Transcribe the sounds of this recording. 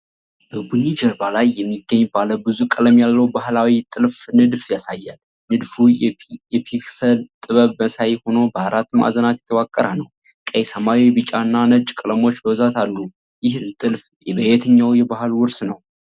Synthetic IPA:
bəbunid͡ʒəɾbalajːɛmːiɡːəɲːbaləbɨzukʼɨləmjalːəwbahlawit̪ʼɨlfnɨd̪fjasajːal | nɨd̪fujɛpʰiksəlt̪ʼɨβəβməsajho̞no̞bəaɾat̪ːɨma̰zənat̪jɛ̥t̪ʰəwakʼːəɾanəw | kʼəjsəmaiwbɨt͡ʃʼanːanət͡ʃʼːkʼɨləmo̞t͡ʃːləwzat̪ʰalːu | jɪht̪ʼɨlf | jɛbəɛt̪ʰɨɲːawjɛbahɨlwʊɾsnəw

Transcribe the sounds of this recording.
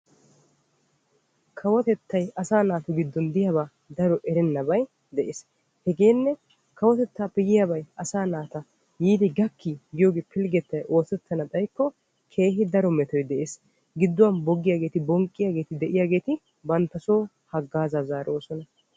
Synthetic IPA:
kʰɐwɔt̪ɛt̪ːɐjɐsaːnaːt̪ʊɡɪd̪ːɔnd̪ɪjabaː | d̪ɐɾɔʔɛɾɛnːɐbɐj | d̪ɛʔeːs | hɛɡe̞ːnːɛ | kʰɐwɔt̪ɛt̪ːaːpɛjɪjabɐjɐsaːnaːt̪ɐ | jiːd̪ɪɡɐkːiɡɪjoːɡeːpʰɪlɡɛt̪ːɐjʔo̞ːsɛt̪ːɐnɐd̪ɐjkːɔ | kʰe̞ːɦɪd̪ɐɾɔmɛt̪ɔjd̪ɛʔeːs | ɡɪd̪ːʊwɐnbɔɡːɪjaːɡe̞ːt̪ɪbɔŋkʼːɪjaːɡe̞ːt̪ɪd̪ɛʔɪjaːɡe̞ːt̪ɪ | bɐnt̪ːɐso̞ː | hɐɡːaːzaːzaːɾʔoːsɔnɐ

